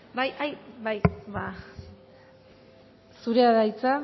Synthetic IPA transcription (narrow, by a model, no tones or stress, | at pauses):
bajʔajbajβa | suɾeaðajt͡sa